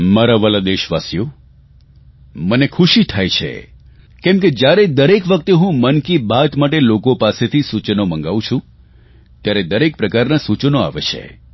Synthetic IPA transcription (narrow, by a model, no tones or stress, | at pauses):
maɾaʋəlad̪eʃʋasijo | mənekʰuʃit̪ʰajt͡ʃʰḛ | kɛ̃mked͡ʒjaɾed̪əɾekʋək̚t̪eɦũmənkibat̪maʈelokopaset̪ʰisut͡ʃnomə̃ŋɡaʋũt͡ʃʰũ | t̪jaɾed̪əɾek̚pɾəkaɾnasut͡ʃnoa̰ʋḛt͡ʃʰḛ